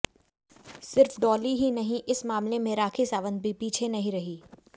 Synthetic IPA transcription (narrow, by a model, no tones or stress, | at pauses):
sɪɾfɖɔːliɦinɐɦĩʔɪsmaːmlemẽɾaːkʰisaːʋə̃nd̪̚bʱipiːt͡ʃʰenɐɦĩɾɐɦiː